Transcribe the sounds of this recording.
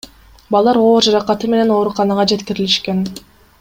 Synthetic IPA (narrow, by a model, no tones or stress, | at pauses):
bɑlˠd̪ɑɾo̞ːɾd͡ʒɑɾɑqɑt̪ɯme̞ne̞no̞ːɾuqɑnɑʁɑd͡ʒe̞t̪kiɾiliʃke̞n